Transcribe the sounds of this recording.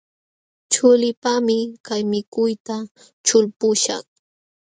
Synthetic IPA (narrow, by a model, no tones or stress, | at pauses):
t͡ʃʊlɪpamɪkajmɪkʊjt̪a | t͡ʃʊlpʊʃa̰χ